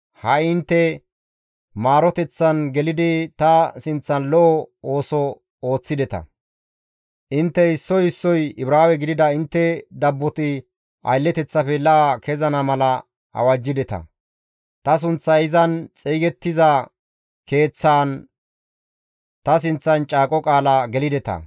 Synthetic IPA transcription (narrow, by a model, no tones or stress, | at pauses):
hɐɪnt̪ːɛ | maːɾɔt̪ɛt͡sːɐnɡɛlɪd̪ɪt̪ɐsɪnt͡sːɐnlɔʔɔo̞ːsɔ | oːt͡sːɪd̪ɛt̪ɐ̰ | ʔɪnt̪ːɛɪsːɔjɪsːɔjɪbɾaːwɛɡɪd̪ɪd̪ɐɪnt̪ːɛd̪ɐbːɔt̪ɪ | ʔɐ̰jlːɛt̪ɛt͡sːɐfɛlɐakʰɛzɐnɐmɐlɐ | ɐ̰wɐd͡ʒːɪd̪ɛt̪ɐ̰ | t̪ɐs̬ʊnt͡sːɐɪzɐnt͡sʼiːɡɛt̪ːɪzɐ | ke̞ːt͡sːaːn | t̪ɐs̬ɪnt͡sːɐnt͡ʃʼaːkʼɔkʼaːlɐɡɛlɪd̪ɛt̪ɐ̰